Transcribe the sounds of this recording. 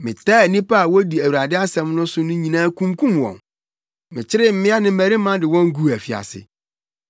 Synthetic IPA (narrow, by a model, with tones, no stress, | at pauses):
mɪ̃˨taː˦˨nĩ˦pa˦a˨wɔ˦di˨æ˨wu˨ɾa˨dɪ˦a˦sɛ̃˨m˦nʊ̃˦sʊ˦nʊ̃˦ɲĩ˨nãː˦kʰũ˦mkʰũ˦mwɔ̰̃˨n | mɪ̃˨t͡ɕʰɪ˦ɾɪ˦m̩˦mɪ̃˦a˦nɪ̃˦m̩˦mæ˨ɾi˦mã˦dɪ˨wɔ̃˦ŋ˦ɡu˦˨æ˨fi˨a̰˨sɪ̰˨